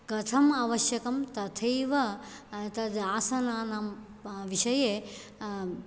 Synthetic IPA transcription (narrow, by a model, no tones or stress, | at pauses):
kɐt̪ʰɐmɐʋɐʃjɐkɐmt̪ɐt̪ʰɐjʋɐt̪ɐd̪aːsɐnaːnaːm | ʋiʃɐjeː